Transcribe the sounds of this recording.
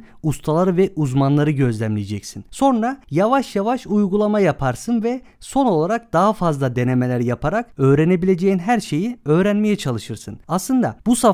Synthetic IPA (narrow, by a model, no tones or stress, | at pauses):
ust̪ʰalˠaɾɯvɛʔuzmanlˠaɾɯɟø̞zlʲæmlʲijed͡ʒɛcsinso̞nɾajavaʃjavaʃujɡulˠamajapʰaɾsɯnvɛ | so̞no̞lˠaɾak̚d̪̥aɦafazlˠad̪e̞ne̞me̞lʲæɾjapʰaɾakø̞ːɾene̞bilʲe̞d͡ʒejinɦæɾʃe̞jiø̞ːɾænme̞jɛt͡ʃʰalˠɯʃɯɾsɯnaslˠɯnd̪a̰busa